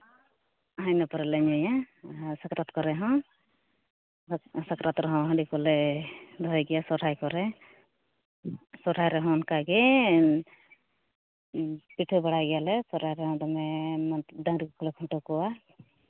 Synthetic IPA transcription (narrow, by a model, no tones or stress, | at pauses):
ɦajnɔpɔɾɛlɛɲɔjasakɾɔt̪kɔɾɛɦɔ̃ | sakɾat̪ɾɔɦɔ̃ɦãɖikɔlɛd̪ʱɔjɡɛjasɔʈʰajkɔɾɛ | sɔʈʰajɾɛɦɔ̃nkaɡɛ | piʈʰubaɽajɡɛjalɛsɔʈajɾɛɦɔ̃dɔmɛmd̪ãŋɾikɔkʰɔlɛkʰɔ̃ʈɔkɔwa